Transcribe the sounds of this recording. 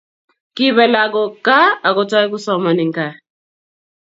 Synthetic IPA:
ki˦βɛ˨la˨ɡɔ˨ka˦a˨kɔ˨ta˦i˦ku˦sɔ˦mɔ˨ni˨ŋka˨

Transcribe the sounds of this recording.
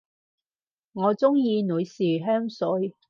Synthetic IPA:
ŋɔː˨˧t͡sʊ˥ŋjiː˧nu˨˧jsiː˨˩ɦœː˥ŋsɵ˨˧˥j

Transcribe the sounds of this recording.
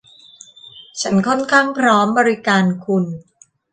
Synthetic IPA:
t͡ɕʰa˦˥nkʰɔ˥˩nkʰaː˥˩ŋpʰɾɔː˦˥mbɔː˧ɾi˦˥kaː˧nkʰu˧n

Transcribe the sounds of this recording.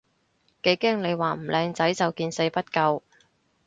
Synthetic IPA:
ke˨˧jkɛ˥ŋne˨˧jwaː˨˩m̩˨˩lʔɛː˨˧ŋt͡sɐ˨˥jt͡sɐ˨wkiː˧nse˨˧jpɐ˥t̚kɐ˧w

